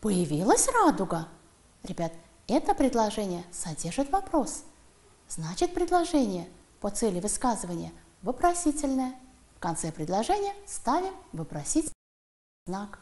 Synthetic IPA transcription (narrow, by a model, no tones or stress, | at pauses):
pəjɪvʲilˠəsʲrad̪ʊɡə | ɾʲɪbʲat̪ | ɛt̪əpɾʲɪd̪lˠɐʐɛnʲɪjəsɐdʲerʐɨt̪vɐpɾo̞s | z̥nat͡ɕɪt̪̚pɾʲɪd̪lˠɐʐɛnʲɪjə | pot̪sɛlʲɪvɨskazɨvənʲɪjə | vɨpɾɐsʲitʲɪlʲnəjə | fkɐnt̪sɛpɾʲɪd̪lˠɐʐɛnʲɪjəst̪avʲɪmvɨpɾɐsʲitʲ | znak